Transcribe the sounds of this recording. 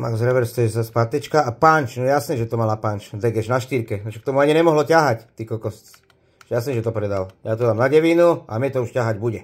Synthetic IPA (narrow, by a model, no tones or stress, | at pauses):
maɡzɾɛʋɛɾst̪ɔjɛzaspat̪ɛt͡ʃkaapant͡ʃnɔjɛjasnɛːʒɛt̪ɔmalapant͡ʃd̪ɛɡɛʒnaʃt̪iɾkɛnɔʃɛkt̪ɔmuaɲinɛmɔɦlɔcaɦact̪ikɔkɔst͡s | ɛjasnɛːʒɛt̪ɔpɾɛd̪aljat̪̬ɔd̪amnaɟɛʋiːnua̰mɲɛt̪ɔuʃcaɦaɟbuɟɛ